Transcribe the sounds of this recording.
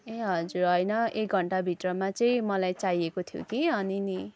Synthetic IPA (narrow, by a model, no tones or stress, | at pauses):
eɦʌd͡zuɾɦʌjnʌek̚ɡʱʌɳʈabʱiʈrʌmat͡sʌĩmʌlajt͡sajekot̪ʰjo̰kiʌnini